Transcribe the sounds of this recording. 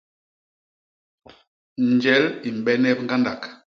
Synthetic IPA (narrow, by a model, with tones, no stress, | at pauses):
n˨d͡ʒɛ˨˦li˨m˨bɛ˦nɛ˦pŋ̩˦ɡa˦nda˨k